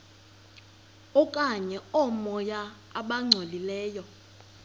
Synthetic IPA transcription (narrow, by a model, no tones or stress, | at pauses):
ɔkʼaɲɛɔmɔjaː | ɓaŋ͡ǀʱolilɛːjɔ